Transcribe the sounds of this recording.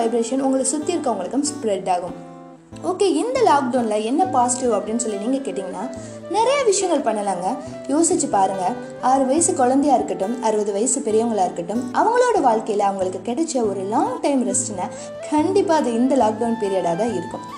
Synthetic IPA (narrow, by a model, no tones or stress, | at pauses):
ɐɪbɾeːʂɐnʊŋɡɐɭsʊt̪ːiɪɾɯkːɐʋɐŋɡɐɭɯkːɯmsʊ̥pɾɐʈːaːɣɯm | oːkeːɪnd̪ɐlaːk̚ɖɐːnlɐɛnːɐpaːsɪʈjuːʋɐpːɐɽɪnːɯsɔlːiniːŋɡɐkeːʈːiːŋɡɐnːaː | nɪɾɐjɐʋɪʂɐjɐŋɡɐɭpɐɳːɐlaːŋɡɐ | joːsɪt͡ʃːɯpaːɾɯŋɡɐ | aːɾɯʋɐjɐsɯkɔɻɐnd̪ɐjaːɪɾɯkːɐʈːɯmɐɾɯʋɐðɯʋɐjɐsɯpɛɾɪjɐʋɐŋɡɐɭaːɪɾɯkːɐʈːɯmʔɐʋɐŋɡɐɭoːɽɐʋaːɭkɐjɪlɐɐʋɐŋɡɐɭɯkːɯkɛɽɛt͡ʃːɐɔɾɯlaːŋɡʈɐɪmɾɛsʈɪnːɐ | kʰɐɳɖɪpːaːɐðɯɪnd̪ɐlaːk̚ɖɐːnpiːɾɪjɐːɽaːðãːɪɾɯkːɯm